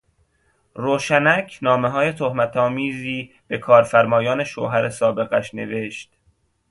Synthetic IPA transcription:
ɾoːʃænæcʰnɒːmeɦɒːje̞t̪ʰohmæt̪ʰɒːmiːziː | b̥e̞kʰɒːɾfæɾmɒːjɒːne̞ʃo̰ːɦæɾesɒːbe̞ɣæʃne̞̰ve̞ʃt̪

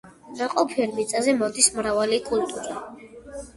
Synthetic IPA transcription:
naqʼɔpʰɛɾmit̪sʼazɛmɔd̪ismɾavalikʼult̪ʼuɾa

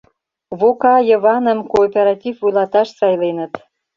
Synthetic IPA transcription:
βokɑjə̆βɑnə̆mkoːpʲeɾɑtʲivvujlɑt̪ɑʃsɑjlenət̪

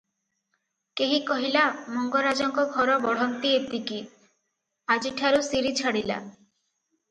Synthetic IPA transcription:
keɦikɔɦilamɔŋɡɔɾad͡ʒɔŋkɔɡʱɔɾɔbɔɽ̤ɔnt̪iet̪iki | ad͡ʒiʈʰaɾusiɾit͡ʃʰaɽila̰

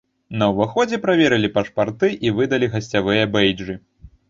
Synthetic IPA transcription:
nɐwvaxɔd͡zʲɛpɾavʲɛɾɨlʲipɐʂpart̪ɨʔivɨd̪ɐlʲiɣɐsʲt͡sʲavɨjɐbɛjd͡ʐɨ

